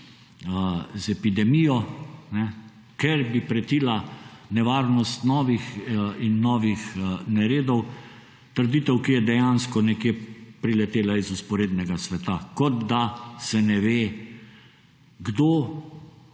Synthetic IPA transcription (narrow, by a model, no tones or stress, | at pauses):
əzɛpid̪ɛmiːjɔnɛ | kɛɾbipɾɛt̪iːlanɛʋaːɾnɔst̪nɔːʋixinːɔːʋixnɛɾeːd̪ɔw | t̪əɾd̪it̪ɛwkijɛd̪ɛjanskɔnɛkjeːpɾilɛt̪eːlaizuspɔɾeːd̪nɛɡasʋɛt̪akɔd̪d̪asɛnɛʋeː | ɡd̪oː